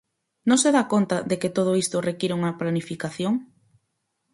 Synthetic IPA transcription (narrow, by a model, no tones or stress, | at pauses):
nõŋseðakont̪ɐðeket̪oð̞oist̪ʊrekiɾeuŋɐplanifikaθjoŋ